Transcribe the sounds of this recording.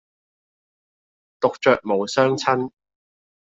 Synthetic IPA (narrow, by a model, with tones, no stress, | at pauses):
t̪ʊ˨k̚t͡ʃœː˨k̚mo˨wsœː˥ŋt͡sʰɐ˥n